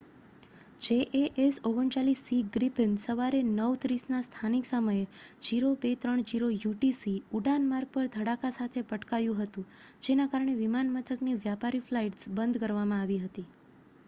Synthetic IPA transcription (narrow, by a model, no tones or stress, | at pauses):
d͡ʒeʔeʔesoɡəɳt͡ʃalisːiɡɾipənsəʋaɾenəʋt̪ɾisnast̪ʰaniksəməjed͡ʒiɾobet̪ɾəɳd͡ʒiɾojuʈisiuɖanmaɾɡ̚pəɾd̪ʱəɽakasat̪ʰepəʈkajũɦət̪ũd͡ʒenakaɾəɳ̃eʋimanmət̪ʰəkniʋjapaɾiflaiʈsbənd̪ʱkəɾʋamãaʋiɦət̪i